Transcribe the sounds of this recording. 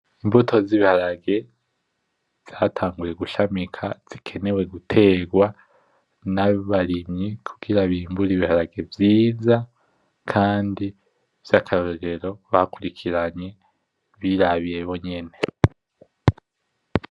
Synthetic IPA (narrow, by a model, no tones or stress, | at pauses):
imbutʰo̞ziβihaɾaɡe̞ | z̥aːtʰaːŋɡuje̞ɡuʃamikʰaz̥ikʰe̞ne̞we̞ɡutʰe̞ːɡwa | naβaɾimɲikʰu̥ɡ̥iɾaβiːmbuɾiβihaɾaɡe̞vjiːza | kʰaːndi | v̥jakʰaɾoɾe̞ɾo̞βakuɾikʰiɾaɲe̞ | βiɾaβijeβo̞ɲe̞ne̞